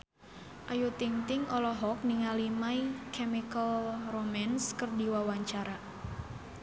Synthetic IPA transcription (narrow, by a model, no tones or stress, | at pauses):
ʔajut̪iŋt̪ɪŋɔlɔɦɔk̚niŋalimaikʰɛmikəlromanskərdiwawaɲt͡ʃaɾa